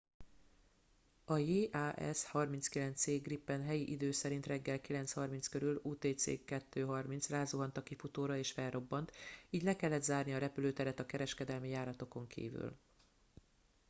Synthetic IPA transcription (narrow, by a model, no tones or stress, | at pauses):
ɒjeːʔaːʔɛ̰shɒrmint̪skilɛnt̪seːɡripːɛnɦɛjiʔid̪øːsɛɾint̪rɛɡːɛlkilɛnshɒrmint̪skø̞ɾyluːt̪eːt̪sḛːkːɛt̪ːøːɦɒrmint̪sraːzuɦɒnt̪ɒkifut̪oːɾɒeːʃfɛlrːo̞bːɒnt̪iːɟlɛkɛlːɛd̪zaːrniɒɾɛpyløːt̪ɛɾɛt̪ɒkɛɾɛʃkɛd̪ɛlmijaːɾɒt̪o̞ko̞ŋkʰḭːvy̰l